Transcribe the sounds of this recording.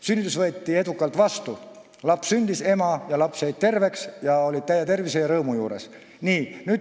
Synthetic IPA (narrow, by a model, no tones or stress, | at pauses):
synʲːit̪ːˑusvɤet̪ʲːˑie̞d̪ukːˑɑlt̪ˑvɑst̪u | lɑpssynd̪̥ise̞mɑjɑlɑpshejd̪̚t̪e̞rve̞ksjɑo̞lʲid̪̥̚t̪æjːet̪e̞rvisejɑɾɤːmujuːɾe̞̰s | niːnyːd̪̥